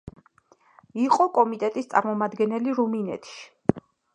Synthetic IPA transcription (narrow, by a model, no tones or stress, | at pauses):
iqʼɔkʼɔmit̪ʼɛt̪ʼist̪sʼa̰ɾmɔmad̪ɡɛnɛliɾuminɛ̰t̪ʰʃi̥